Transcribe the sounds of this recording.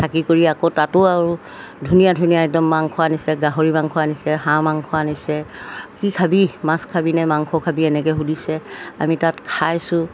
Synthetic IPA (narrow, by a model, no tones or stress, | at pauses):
tʰakikoɹiakotatʊaɹu | dʱunijadʱunijaɛdɔmːaŋkʰɔanisɛɡaɦoɹimaŋkʰɔwanisɛhãmaŋkʰɔanisɛkikʰabimãskʰabinamaŋkʰɔkʰabiɛnɛk̬ɛɦudisɛamitatkʰajsʊ̃